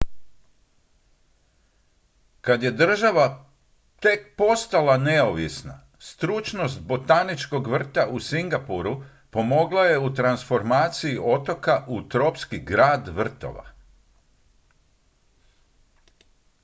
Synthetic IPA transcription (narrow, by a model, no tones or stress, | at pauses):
kad̪je̞d̪r̩ʒaʋa | t̪e̞k̚po̞st̪alaneoʋisna̰ | st̪ɾut͡ʃno̞st̪̚bo̞t̪anit͡ʃko̞ɡʋr̩t̪aʔusiŋɡapuɾu | po̞mo̞ɡlˠaje̞ut̪ɾansfo̞ɾmaːt̪siiʔo̞t̪o̞kaʔut̪ɾo̞pskiɡɾaːd̪ʋr̩t̪o̞̰ʋa̰